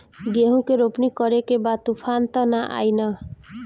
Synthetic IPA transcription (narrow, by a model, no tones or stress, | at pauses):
ɡeɦũkeɾopnikʌɾekebat̪upʰant̪ʌnaʔa̰jnʌ